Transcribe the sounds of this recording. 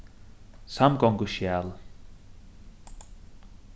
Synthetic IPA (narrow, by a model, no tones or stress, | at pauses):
samkɔŋkuʃjal